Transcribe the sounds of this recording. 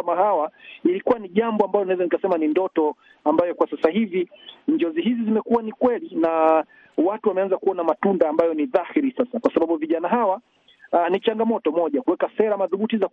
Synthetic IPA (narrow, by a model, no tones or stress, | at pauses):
amahawailikuwaniʄambɔambalɔniaɛzanikasɛmanindɔtɔ | ambajɔkwasasahiviɲd͡ʒɔziɦizizimɛkuwanikwɛlina | watuwamɛanzakuɔnamatundaːmbajɔniðahiɾisasakwasaɓaɓuviʄanaɦawa | nit͡ʃaŋɡamɔtɔmɔʄakuwɛkasɛɾamaðuɓutiza